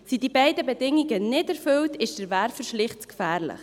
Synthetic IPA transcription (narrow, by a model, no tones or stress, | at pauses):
sidibɛɪdəbɛdɪŋiɡənɪdɛɾfʏltʰɪʃd̥əɾvæɾfəʃlɪχt͡skfæːɾlɪ̰χ